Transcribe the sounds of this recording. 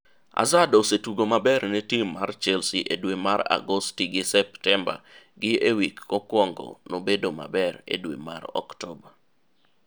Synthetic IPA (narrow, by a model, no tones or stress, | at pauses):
a̰zadosetuɡomabɛɾnɛtimːart͡ʃɛlsiʔedwemaɾa̰ɡostiɡɪsɛptɛmba̰ɡɪewikːɔkwɔŋɡɔ̰nobedoma̰bɛɾḛdwḛma̰ɾɔ̰ktɔba